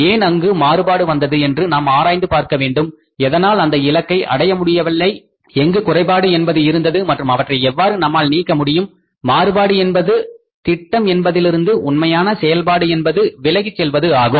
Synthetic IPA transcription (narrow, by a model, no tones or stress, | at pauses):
eːnɐŋɡɯmaːɾɯbaːɽɯʋɐnd̪ɐðɯɛndrɯnaːmaːɾaːjnd̪ɯpaːɾkɐʋeːɳɖɯm | ɛðɐnaːlɐnd̪ɐɪlɐkːɐɪʔɐ̰ɽɐjɐmʊɽɪjɐʋɐɭːɐɪ | ɛŋɡɯkʊrɐɪpaːɽɯɛnbɐðɯɪɾɯnd̪ɐðɯmɐʈrɯmɐʋɐʈrɐɪɛʋːaːɾɯnɐmːaːlniːkːɐmʊɽɪjɯmː | aːɾɯbaːɽɯɛnbɐðɯ | t̪ɪʈːɐmɛnbɐðɪlɪɾɯnd̪ɯʔʊnmɐjaːnɐsɛjɐlpaːɽɯɛnbɐðɯʋɪlɐɣit͡ʃːɛlʋɐðɯaːɣɯm